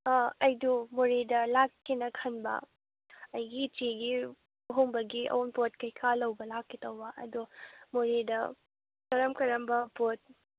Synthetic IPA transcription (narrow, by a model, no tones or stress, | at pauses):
aɐjdumoɾedɐlakːinɐkʰɐnbɐ̰ | ɐjɡit͡ʃiɡi | ɦoŋbɐɡiʔɐ̰wunpot̚kɐjkʰalɐwbɐlakːitɐwbɐʔɐ̰dumoɾedɐ | kɐɾɐmkɐɾɐmbɐpot̚